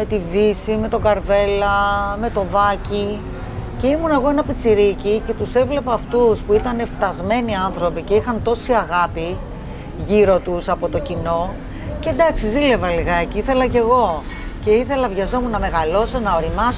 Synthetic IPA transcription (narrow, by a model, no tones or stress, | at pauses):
me̞t̪ivisime̞t̪o̞ɡɐɾve̞lɐme̞t̪o̞vɐci | ce̞imunɐeɣoe̞nɐpit͡siɾicice̞t̪use̞vle̞pɐːft̪uspuit̪ɐne̞ft̪ɐzme̞niɐnθɾo̞pice̞ixɐnt̪o̞siɐɣɐpi | ʝiɾo̞t̪usɐpo̞t̪o̞cino̞ | ce̞d̪ɐksizile̞vɐliɣɐciiθe̞lɐce̞ɣo̞ | ce̞iθe̞lɐvʝɐzo̞munɐme̞ɣɐlo̞sonɐoɾimɐs